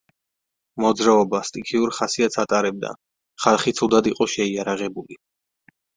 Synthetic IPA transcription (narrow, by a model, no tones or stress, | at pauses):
mɔd̪zɾaɔbast̪ʼikʰiuɾχasiat̪sʰat̪ʼaɾɛb̚d̪a̰ | χalˠχit̪sʰud̪ad̪iqʼɔʃɛiaɾaʁɛbuli